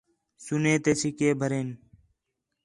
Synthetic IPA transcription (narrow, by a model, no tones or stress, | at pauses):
suneːt̪eːt͡ʃʰikeːbʱəɾeːn